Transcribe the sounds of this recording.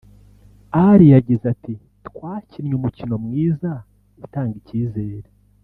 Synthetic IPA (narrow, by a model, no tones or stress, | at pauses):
aɾijaɟizati | tkwaːcinɲumucino̞mŋiːza | utaːŋɡiciːze̞ːɾe